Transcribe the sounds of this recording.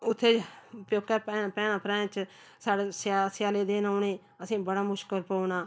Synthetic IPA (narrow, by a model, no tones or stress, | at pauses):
ʊt̪ʰːeːpjoːkːɛːpɛːpɛ̃ːnãːpɾɛ̃ːt͡ʃ | saːɽesasɪjaːleːd̪eːnaːneː | əsĩːbəɽaːmʊʃkəlpounaː